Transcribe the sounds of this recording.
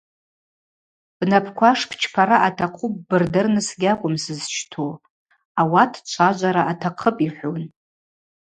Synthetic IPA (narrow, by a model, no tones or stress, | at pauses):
b̥napʰkʷʰaʂpʰt͡ʃʰpʰaɾaʔatʰaqʷʰup̚ʼːɨrdɨrnɨsɡʲakʷʼʊmsɨzt͡ʃʰtʰo | awatʰt͡ʃʷʰaʒʷaɾaʔatʰaqʰəpʼiħʷon